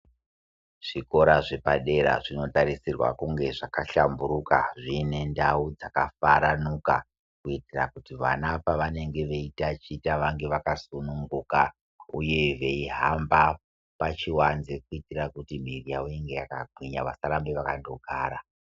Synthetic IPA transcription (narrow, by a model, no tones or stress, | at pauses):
ʐ̥iko̞ɾaʐe̞paɗe̞ɾa̰ʐino̞taɾisirwa̰kuŋɡe̞ʐakaɬambuɾukaʐine̞ndaud͡zakafaɾanuka̰ | kuitirakutiʋa̰napaʋane̞ŋɡe̞ʋe̞itat͡ʃitaʋaŋɡe̞ʋakasunuŋɡuka | uje̞ʋe̞iɦamba | pat͡ʃiwanzek̚uitirakutimirijaujeŋɡe̞jakaɡʱwiɲaʋasaɾambeʋakando̞ɡʱaːɾa